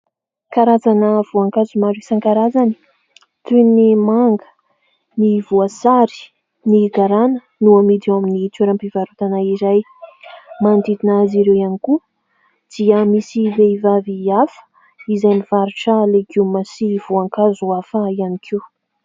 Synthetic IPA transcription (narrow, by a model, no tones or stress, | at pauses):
kaɾazanəv̥uaŋkazumaɾisaŋkaɾazani̥ | t̪unimaŋɡə̥ | nivuasaɾi̥ | niɡaɾanə | nuamid̪ewaminit̪uɾampivaɾut̪anaiɾaj | mand̪id̪inaziɾewianiku | d̪̥iəmisiveivaviafə̥ | izajniv̥aɾuʈ͡ʂəleɡumasivuaŋkazuafaianikʰiw